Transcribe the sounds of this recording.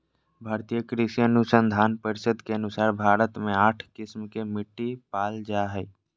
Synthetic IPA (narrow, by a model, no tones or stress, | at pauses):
bʱaːɾt̪ijəkɾɪsijənusənd̪ʱaːnpəɾɪsəd̪ʱkeənusaːɾbʱaːɾət̪mẽaːʈʰkɪsmkemɪʈːipaːld͡ʒaɦɛɪ